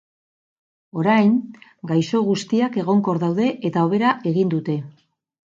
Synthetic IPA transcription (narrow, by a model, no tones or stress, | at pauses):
o̞ɾajŋɡajso̞ɣ̞ust̪iake̞ɣ̞o̞ŋko̞ɾðawðe̞ʔet̪ao̞βe̞ɾaʔe̞ɣind̪ut̪e̞